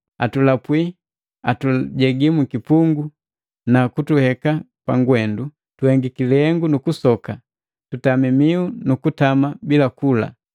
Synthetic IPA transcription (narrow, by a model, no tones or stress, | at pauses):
a̰tulapwi | atuɟɛɡimukipuŋɡu | nakutuhɛka | paŋɡwɛndu | tuhɛŋɡikilɛhɛŋɡunukusɔka | tutamimiunukutamabilakula̰